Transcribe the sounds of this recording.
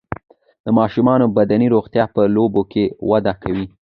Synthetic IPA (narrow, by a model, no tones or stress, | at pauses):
d̪̥əmɑʃumɑnobad̪aniɾoɣt̪jɑpəlobokewad̪akawi